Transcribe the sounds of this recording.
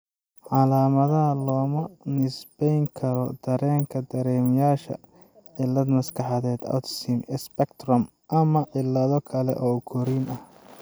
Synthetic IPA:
ʕɑlaːmɐðɐɦɐlɔːmɐnɪsbɛjŋkʰɐɾɔd̪̥ɐɾɛːŋkʰɐd̪ɐɾɛːmjaːʃɐ̰ | ʕɪlːɐd̪mɐskʰɑħɑðɛːd̪ɐ̰wt̪simɛspɛkt̪rɐm | ʔɐmɐʕɪlːɐðɔkʰɐlɛ̰ʔɔːʊɡʰɔɾiːnɐh

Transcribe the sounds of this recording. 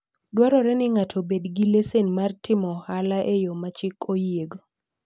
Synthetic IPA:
dwaɾɔɾɛnɪŋatʰobedɡilesenmartɪmɔhalaʔejomat͡ʃɪkojeɡo

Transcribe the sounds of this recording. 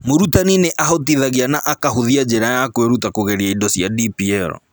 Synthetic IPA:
moɾutanineʔaɦotiðaɣianaʔakaɦuðiad͡ʒeɾajakweɾutakoɣeɾiaindɔsiadipiɛɾɔ̰

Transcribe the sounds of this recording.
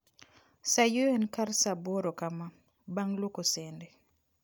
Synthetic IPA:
sajuenkarsaboɾokama | baŋlokosende

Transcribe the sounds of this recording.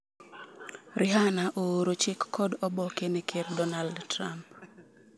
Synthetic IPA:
ɾʔɪɦanaʔooɾot͡ʃɪkːɔdɔbɔkenekʰeɾdɔnaldtɾamp

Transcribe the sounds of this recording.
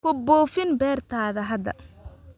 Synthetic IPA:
kʊbɔːfɪnbɛːrt̪ʰaːðɐɦɐd̪ɐ̰

